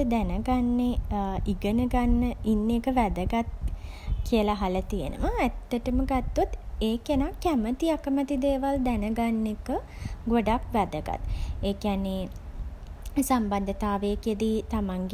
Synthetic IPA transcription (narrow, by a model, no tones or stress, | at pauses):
d̪ænəɡanːeiɡənəɡanːəinːekəʋæd̪əɡat̪ | kiəlaɦalət̪ijə̰nʔə̰ʋaæt̪ːəʈəməɡat̪ːot̪eːkenakːæmət̪iakəmət̪id̪eːʋald̪ænəɡanːekə | ɡoɖakʋæd̪əɡa̰t̪eːkianːe | samband̪ət̪aːʋeked̪it̪amaŋɡ